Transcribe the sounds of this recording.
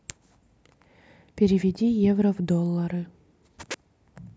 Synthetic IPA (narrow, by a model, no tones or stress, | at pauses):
pʲɪɾʲɪvʲɪdʲijevɾəvd̪olˠːɐɾɨ